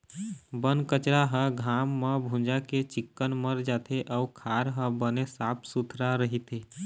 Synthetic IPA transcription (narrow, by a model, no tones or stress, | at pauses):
bənkət͡ʃɾaɦə̃ɡʱamːəbʱũd͡ʒaket͡ʃɪkːənməɾd͡ʒat̪ʰeʔaukʰaɾɦə̃bənesapʰsut̪ʰɾaɾəɦit̪ʰe